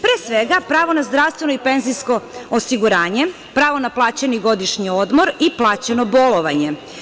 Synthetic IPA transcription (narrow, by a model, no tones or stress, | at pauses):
pɾeːsʋeɡapɾaːʋo̞nazd̪ɾaːʋst̪ʋe̞noipenzisko̞osiɡuɾaːɲe | pɾaːʋonaplˠaːt͡ɕeniɡo̞d̪iʃɲiod̪mo̞ɾiplˠaːt͡ɕenobolˠoʋaɲe̞